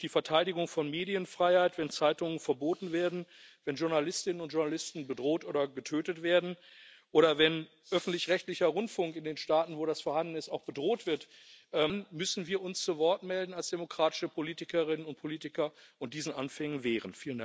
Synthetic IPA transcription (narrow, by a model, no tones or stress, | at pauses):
d̥iːfɛɐtʰaɪɾɪɡʊŋfɔnmeːdiənfʁ̥aɪhaɪtv̥ɛnt͡saɪtʊŋənfɛɐboːtn̩veːɐdn̩vɛnʒʊɐnalɪstɪnənʊntʒ̥ʊɐnalɪstn̩bədʁoːtʔoːdɐɡətʰøːtətv̥eːɐdn̩ʔoːɾɐvɛn | ʔœfn̩tlɪçʁɛçtlɪçɐʁʊntfʊŋkɪndeːnʃtaːtn̩voːɾasfɛɐhandn̩ɪstaʊxb̥ədʁoːtv̥ɪɐtʔɛːnmʏsn̩viːɐʊnst͡suvɔɐtmɛldn̩alsd̥emokʁ̥aːtɪ̥ʃəpʰoliːtɪkɐʁɪnənʊnt̚pʰoliːtɪkɐʔʊnt̚d̥iːzn̩ʔa̰nfɛŋənvɛːʁ̞ənfiːlənda